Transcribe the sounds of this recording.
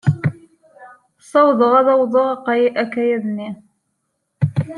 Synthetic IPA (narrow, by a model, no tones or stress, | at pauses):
sˤɑwðˤəʁɑðɑwðˤəʁɑqːɑjiʔækːæjæðni